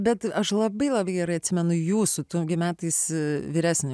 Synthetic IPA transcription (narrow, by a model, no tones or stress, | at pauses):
bʲɛt̪ɐʃlˠɐbɐɪlˠɐbɐɪɡʲɛɾɐɪɐt̪ʲsʲɪmʲɛnʊjuːsʊt̪uɡʲɪmʲæːt̪ɐɪsʋʲiːɾʲæːsʲnʲʊ